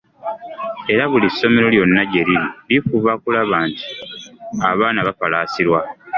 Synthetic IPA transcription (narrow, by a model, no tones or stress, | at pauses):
e̞ɾaβulisːo̞me̞ɾo̞ljo̞nːaɟe̞ɾiɾilikuβakulaβaːnti̥ | aβaːnaβafalaːsiɾwa